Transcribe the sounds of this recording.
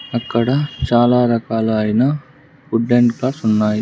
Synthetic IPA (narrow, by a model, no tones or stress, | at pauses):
ɐkːɐɽɐt͡ʃaːlaːɾɐkaːlɐːjinɐ | kuɖːeɳʈklaːɾsunːaːji